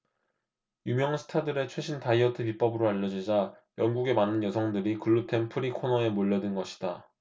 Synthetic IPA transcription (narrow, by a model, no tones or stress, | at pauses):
jumjʌŋsʰɯ̥tʰadɯɾe̞t͡ɕʰwe̞ɕʰintaiʌtʰɯpip͈ʌbɯɾoaʎːʌd͡ʑid͡ʑa | jʌŋɡuɡe̞manɯnjʌsʰʌŋdɯɾikɯɭːutʰe̞npʰɯɾikʰonʌe̞moʎːʌdɯnɡʌɕʰi̥d̥a